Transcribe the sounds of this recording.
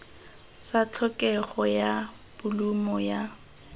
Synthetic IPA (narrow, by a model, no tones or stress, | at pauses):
sat͡ɬʰɔkʼɛχɔja | b̥ʊlumɔja